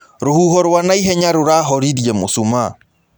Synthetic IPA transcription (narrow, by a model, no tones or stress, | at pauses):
ɾohuɦɔɾwanaiɦɛɲaɾoɾaɦɔɾiɾjɛmo̰suma